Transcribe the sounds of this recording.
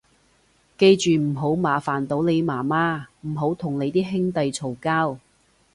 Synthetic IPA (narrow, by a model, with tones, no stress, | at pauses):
ke˧jt͡ʃyː˨m̩˨˩ɦo˨˥wmaː˨˥faː˨˩nt̪o˨˥wne˨˧jmaː˨˩maː˥m̩˨˩ɦo˨˥wt̪ʰʊ˨˩ŋle˨˧jt̪iː˥ɦɪ˥ŋt̪ɐ˨jt͡sʰo˨˩wkaː˥w